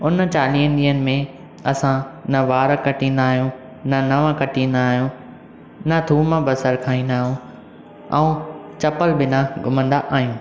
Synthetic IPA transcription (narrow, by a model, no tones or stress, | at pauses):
ʊnt͡ɕaːliːɦə̃nd̪iːənɪ̆mẽ | ɐsãnɐʋaːɾkɐʈĩːnd̪aːɦjũ | nɐnɐʋãkɐʈĩːənd̪aːɦijũ | ɪnɐt̪ʰuːməbɐsəɾkʰaːĩːn̆d̪aːɦjũ | ɛ̰̃ũt͡ɕɐpəlbɪnãɡʱʊmə̃nd̪aʔaːɦijũː